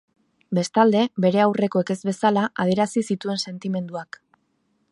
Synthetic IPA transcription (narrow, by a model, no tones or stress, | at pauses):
be̞st̪ald̪e̞be̞ɾe̞awre̞koe̞ke̞zβe̞salaʔað̞ie̞ɾasisit̪ue̞nse̞nt̪ime̞nd̪uak